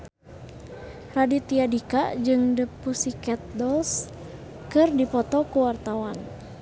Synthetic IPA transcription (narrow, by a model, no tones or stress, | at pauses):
radit̪iadikad͡ʒɨŋdəpusikɛt̪̚dɔls | kɨrdipɔt̪ɔkuwart̪awan